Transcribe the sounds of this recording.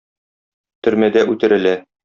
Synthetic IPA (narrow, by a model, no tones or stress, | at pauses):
t̪ɵ̆ɾmæd̪æʔʉt̪ɘ̆ɾɘ̆læ